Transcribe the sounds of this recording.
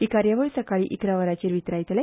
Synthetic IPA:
ikaɾjaʋoɭisɐkaɭiʔikɾaʋɐɾat͡ɕiːɾʋit̪ɾajt̪əlɐ

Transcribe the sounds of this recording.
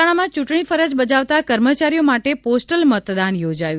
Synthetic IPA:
aɽ̃amãt͡ʃuʈɳ̃ifəɾəd͡ʒbəd͡ʒaʋt̪akəɾmət͡ʃaɾijomaʈeposʈəlmət̪d̪anjod͡ʒaju

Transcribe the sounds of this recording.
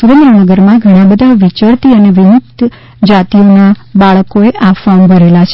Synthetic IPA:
suɾə̃nd̪ɾənəɡəɾmãɡʱəɽ̃ãbəd̪ʱaʋit͡ʃəɾt̪iəneʋɪmuk̚t̪ | d͡ʒat̪ionabaɭəkoeʔafambʱəɾelat͡ʃʰ

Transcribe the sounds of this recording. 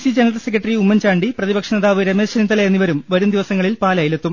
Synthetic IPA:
sid͡ʑɐnɐrɐlse̞k̬ːrɐʈːriumːɐnt͡ɕaːɳɖiprɐðibɐkʂɐnɐðaːʋɨɾemeːɕɐnint̪ːɐlɐjenːiʋɐɾumʋɐɾumd̪iʋɐsɐŋːɐɭilpaːlaːjilet̪ːum

